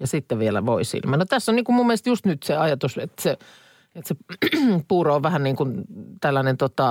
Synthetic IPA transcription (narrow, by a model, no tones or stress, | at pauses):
jɑsit̪ːeʋielæ̰ʋoisḭlmɑnot̪æsːonniːkummumːeest̪just̪nyt̪seɑjɑt̪uset̪ːæ̥se | et̪sepuːroːʋʋæhænniːŋkunt̪ælːænent̪ot̪ɑ